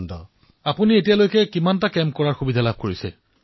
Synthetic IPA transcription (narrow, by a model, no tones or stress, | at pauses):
ntɔ | apunietijalojkɛkimantakɛmp̚kɔɹaɹxubidʱalab̚koɹisɛ